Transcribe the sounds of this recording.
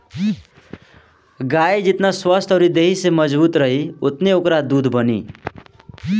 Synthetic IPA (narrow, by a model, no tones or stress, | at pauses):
ɡajd͡ʒɪt̪naswəst̪ʰɔɾid̪eɦiseməd͡ʒbuːt̪ɾəɦiot̪neokɾad̪uːd̪ʱbənḭ